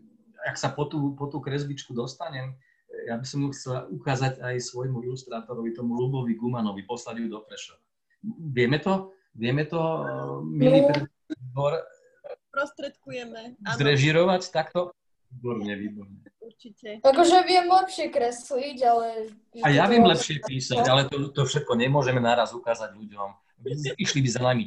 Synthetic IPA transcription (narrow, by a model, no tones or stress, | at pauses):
aksapɔt̪uːpɔt̪uːkɾɛzbit͡ʃkud̪ɔst̪aɲɛm | jabisɔmuxt͡sɛlaʔukaːzaɟajsʋɔjmuilust̪ɾaːt̪ɔɾɔʋit̪ɔmulubɔʋiɡumanɔʋipɔslaljud̪ɔkɾɛʃɔʋa | ʋɪɛmɛt̪ɔ | ʋɪɛmɛt̪ɔ | milipɾɛ | bɔɾ | pɾɔst̪ɾɛt̪kujɛmɛzɾɛʒiɾɔʋact̪akt̪ɔ | iːbɔɾɲɛʋiːbɔɾɲɛuɾt͡ʃiɛakɔʒɛʋɪɛmlɛpʃɪɛkɾɛsliɟalɛ | ajaʋjɛmlɛpʃɪɛpiːsaɟalɛt̪ɔt̪ɔfʃɛt̪̚kɔɲɛmʊɔʒɛmɛnaɾazukaːzaɟʎuɟɔm | iʃlibizanami